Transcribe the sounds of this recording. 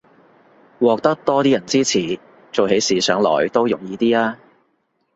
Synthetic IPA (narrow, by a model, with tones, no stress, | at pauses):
wɔː˨k̚t̪ɐ˥k̚t̪ɔː˥t̪iː˥jɐ˨˩nt͡siː˥t͡sʰiː˨˩ | t͡so˨wɦe˨˥jsiː˨˥sœː˨˥ŋlɔ̰ː˨˩jt̪o˥wjʊ˨˩ŋjiː˨˧t̪iː˥aː˥